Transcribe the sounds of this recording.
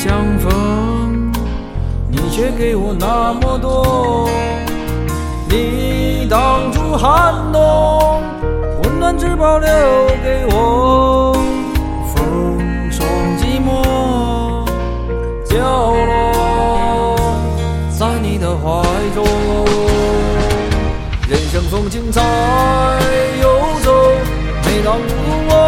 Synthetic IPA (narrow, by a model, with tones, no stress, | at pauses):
t͡ɕjɑ˧ŋfə˧˥ŋ | ni˨˩t͡ɕʰɥɛ˥ke˧˩ɪwɔ˨˩na˧mə˧˩t̪̬wɔ˥ | ni˨˩ | t̪ɑ˨˧˩ŋʈ͡ʂu˥xa˧˥˩nt̪ɔ˥ | wu˧˥nnə˧˥nʈ͡ʂɻ̩˥pɑ˧˥ʊljo˥˩ke˧ɪwɔ˨˩ | fə˧˥ | ŋ | sʰɔ˧˩ŋt͡ɕi˧˥mwɔ˥ | t͡ɕjɑ˥˧˩ʊ˧ | sa˥ni˧˩d̪ə˧xwa˧˩ɪt͡so˧o˧ | ɻə˨˧˩nɕə˧˥ŋsʊ˧˥ŋt͡ɕʰi˥ŋt͡sʰa˧ | jo˧t͡so˧ | me˧˩t̪ɑ˧ŋu˧t̪u˥wɔ˦